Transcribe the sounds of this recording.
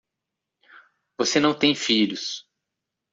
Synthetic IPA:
vosenɐ̃w̃t̪ẽj̃fiʎʊs

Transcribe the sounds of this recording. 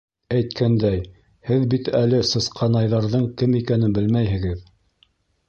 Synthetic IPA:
æjt̪kʰænd̪æj | hɘðbit̪ælɘsɤ̆sqʰɑnɑjðɑɾðɤɴkɘmikænɘnbɘlmæjɦɘ̆ɡɘð

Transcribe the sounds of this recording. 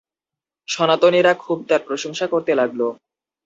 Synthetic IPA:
ʃɔnat̪oniɾakʰub̚t̪aɾpɾoʃoŋʃakoɾt̪elaɡlo

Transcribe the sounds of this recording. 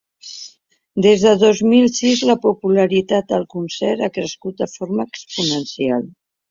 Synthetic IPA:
d̪ezðəðozmilˠsizləpupuləɾit̪at̪̚əlˠkunsɛɾakɾəskut̪̚əfoɾməːkspunənsialˠ

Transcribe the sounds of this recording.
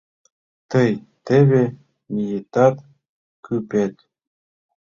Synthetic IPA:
t̪əj | t̪eβe | mijet̪ɑt̪ | kʰypet̪

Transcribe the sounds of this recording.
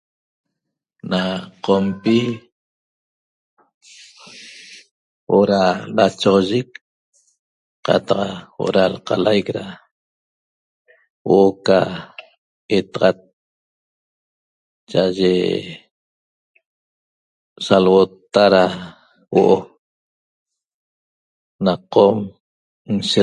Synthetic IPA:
naqompi | wʔoʔɾalat͡ʃoʁoʒek̚ | qɑ̰t̪ɑqwoʔɾalqɑlajkɾa | woʔoka | et̪aʁɑt̪̚ | t͡ʃaʔaʒe | salwot̪ːaɾa | wo̰ʔo | naqom | nʃe

